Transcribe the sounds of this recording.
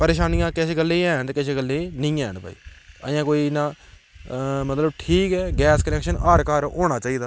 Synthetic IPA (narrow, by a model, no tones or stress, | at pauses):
pəɾeːʃaːnijãːkɪseːɡəlːeːɛ̃ːɦət̪ekɪseːɡəlːenɪĩːɛ̃ːɦənpa̰ːḭːə̰jãːkoːiːnãː | mət̪ləbʈʰiːkɛːɡɛːskənɛːkʃənaːɾkaːɾoːɽ̃aːt͡ʃaːiːd̪aː